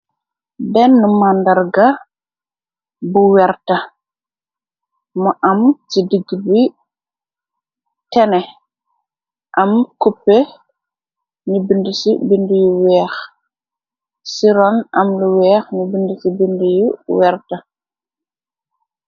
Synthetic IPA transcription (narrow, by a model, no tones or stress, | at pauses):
bɛnːumandaɾɡa | buwɛɾta | mɔʔamtidiɡbi | tɛnɛ | ʔamkupːɛ | ɲibindisibindijuwɛːx | siɾɔnʔamluwɛːxɲibindisibindijuwɛɾta